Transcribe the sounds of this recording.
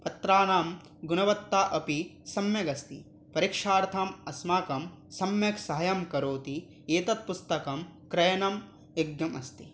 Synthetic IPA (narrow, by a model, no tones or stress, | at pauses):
pɐt̪ɾaːnaːm | ɡunɐʋɐt̪ːaːʔɐpisɐmjɐɡɐst̪ḭ | pɐɾikʂaːɾt̪ʰamɐsmaːkɐm | sɐmjɐksɐɦɐjɐmkɐɾoːt̪i | eːt̪ɐt̪̚pust̪ɐkɐmkɾɐjɐnɐm | eɡjɐmɐst̪i